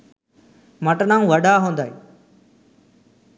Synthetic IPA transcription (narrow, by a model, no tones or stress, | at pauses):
mɐʈnaːũʋɐɗaɦõːnd̪aːɦeː